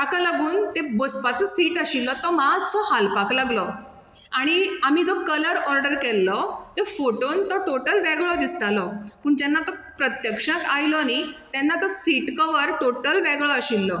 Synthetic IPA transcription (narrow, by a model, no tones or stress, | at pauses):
akalaɡuːnt̪ebospat͡sɔsiːʈəɕilːɔt̪ɔmat͡sɔhalpaklaɡlɔ | aɽ̃iam̤id͡zɔkələɾɔɾɖəɾkɛlːɔt̪efoʈont̪ɔʈoʈəlʋɛɡɭɔd̪ist̪alɔpuːɳt̪ɛnːat̪ɔpɾət̪jəkʂə̃t̪ajlɔɽ̃it̪jɛnːat̪ɔsiʈkəʋəɾʈoʈəlʋɛɡɭɔəɕilːɔ